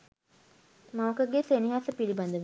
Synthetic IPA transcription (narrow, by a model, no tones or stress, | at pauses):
maʋəkəɡeseniɦasəpiliband̪əʋi